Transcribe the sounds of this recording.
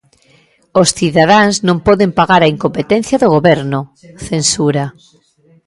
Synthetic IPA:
osθiðað̞aŋznõmpɔðempaɣaɾaiŋkompet̪ẽn̟θjɐðoɣ̞oβɛɾnʊ | θensuɾa

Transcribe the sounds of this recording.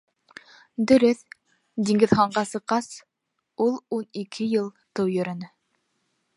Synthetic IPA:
d̪ɵ̆ɾɵθ | d̪iŋɡɘ̆ðχɑɴɢɑsɤ̆qːɑs | ulˠunikʰɘjɤlˠt̪ɤwjɵ̆ɾɘ̆nɘ

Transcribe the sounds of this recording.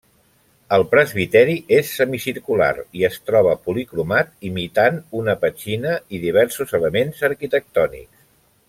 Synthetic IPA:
əlˠpɾəzβit̪ɛɾiʔesːəmisiɾkula̰ɾiəst̪ɾɔβ̞əpulikɾumat̪imit̪anunəpət͡ʃinəiðiβ̞ɛɾsuzələmenzəɾkit̪ək̚t̪ɔnḭks

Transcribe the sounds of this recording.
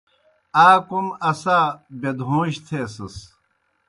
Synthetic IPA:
aːkumɐsaːbed̪ɦõːɕt̪ʰeːsɐs

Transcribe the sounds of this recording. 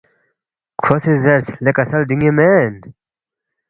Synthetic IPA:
kʰosizɐɾslekɐsɐlɖiŋemen

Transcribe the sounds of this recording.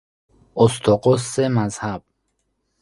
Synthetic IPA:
ost̪ʰoqosːemazhab̥̚

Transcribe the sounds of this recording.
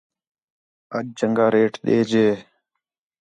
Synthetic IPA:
əd͡ʒ̚d͡ʒəŋɡaːɾeːʈɗḛːd͡ʒeː

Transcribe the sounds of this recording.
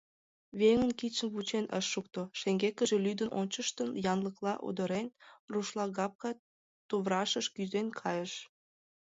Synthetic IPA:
βeŋənkit͡ɕənβut͡ɕenʔə̰ʃːuk̚t̪oʃeŋɡekəʒelyd̪əno̰nʲt͡ɕəʃt̪ənjɑnləklɑʔṵd̪əɾenruʃlˠɑɣɑp̚kɑ | t̪uβɾɑʃəʃkyzenkʰɑjəʃ

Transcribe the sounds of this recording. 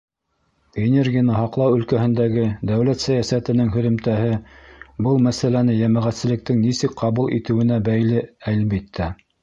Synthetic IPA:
enʲerɡʲijanɤɦɑqlˠɑwɵ̆lkæhɘ̆nd̪æɡɘd̪æwlæt̪sæjæsæt̪ɘ̆nɘŋɦɵ̆ðɵ̆mt̪æɦɘbɤlˠmæsælænɘjæmæʁæt̪sɘ̆lɘ̆k̚t̪ɘŋnisɘkqɑβulˠḭt̪ɘ̆wɘ̆næbæjlɘælbit̪ʰːæ

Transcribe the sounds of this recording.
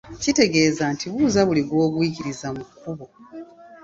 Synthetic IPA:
cite̞ɡe̞ːzantiβuːzaβuliɡwo̞ːkwiːciɾizamukːuβo̞

